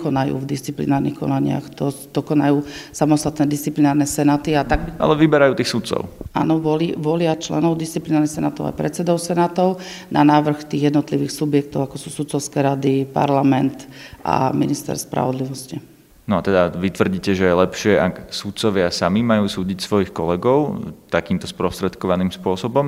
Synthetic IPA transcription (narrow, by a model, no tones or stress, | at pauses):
kɔnajṵːvd̪ist͡siplḭnaːɾnḭxkɔ̰naɲɪa̰xt̪ɔd̪̥ɔkɔnajuːsamɔst̪at̪nɛːd̪ist͡siplinaːɾnɛsɛnaːt̪iat̪aɡ̚bia̰lɛʋibɛɾajuːt̪iːxsut̪t͡sɔ̰ʊa̰ːnɔʋɔliʋɔlɪat͡ʃlɛ̰nɔʊd̪istt͡siplinaːɾnixsɛnaːt̪ɔʊa̰ɪpɾɛ̰t̪t͡sɛd̪ɔʊsɛnat̪ɔʊnʔa̰naːʋr̩xt̪iːɣjɛd̪nɔt̪liʋiːxsubjɛk̚t̪ɔʊakɔsuːsut̪t͡sɔʊskɛɾad̪ipa̰ɾlamɛnt̪a̰minist̪ɛ̰ɾspɾa̰ʋɔd̪liʋɔsci | nɔat̪ɛd̪aʋit̪ʋr̩ɟiːcɛʒɛjɛlɛpʃɪɛʔaksut̪t͡sɔʋɪasamimajuːsuːɟicsʋɔjixkɔlɛɡɔʊt̪akiːmt̪ɔspɾɔst̪ɾɛt̪kɔʋaniːmspʊɔsɔbɔm